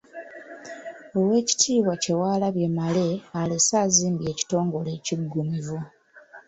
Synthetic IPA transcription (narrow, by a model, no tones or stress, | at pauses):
o̞we̞ːci̥tʰiːβwace̞waːlaβje̞male̞alesaːziːmbje̞ːci̥to̞ːŋɡo̞le̞ciɡːumivu